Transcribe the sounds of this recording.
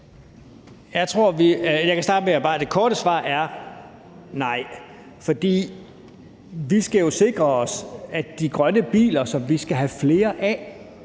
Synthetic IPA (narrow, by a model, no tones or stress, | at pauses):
jɑ̈ɪt͡sʰʁo̝ɐ̰ʋijɑɪkʰæsdɑːd̥əmejb̥ɑ̈ːd̥e̝kʰɒːɾ̥əsʋɑ̰̈ːæɐ | nɑ̈ɪ̰ | fɒ̽d̥ḭː | ʋisɡ̥æjo̝se̝ɡ̥ʁɐɒsæd̥iɡ̥ʁɶnəb̥ḭːlɐsɒ̽mʋisɡ̥æɦæfle̝ːɐʔæ